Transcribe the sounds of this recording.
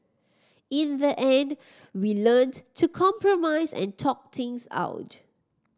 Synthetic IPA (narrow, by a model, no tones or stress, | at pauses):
ĩnðəʔɛ̃nd | wiləntʰːukʰɔ̃mpɹɔmaɪsɛ̰̃ntʰɔk̚t̪ʰɪ̃ŋsa̰ʊt